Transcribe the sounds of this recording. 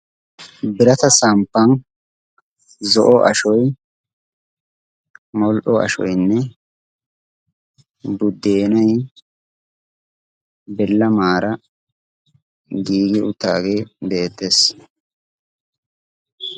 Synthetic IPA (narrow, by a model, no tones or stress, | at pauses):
bɪɾɐt̪ɐsɐmpːɐn | zɔʔɔʔɐʃɔj | mɔlʔɔɐ̰ʃɔ̰jnːɛ | bʊd̪ːeːnɐj | bɛlːɐmaːɾɐ | ɡiːɡɪʊt̪ːa̰ːɡe̞ːbe̞ːt̪ːe̞ːs